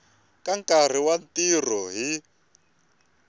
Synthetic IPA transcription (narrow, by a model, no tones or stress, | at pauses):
kaŋkar̤iwantir̤ɔɦi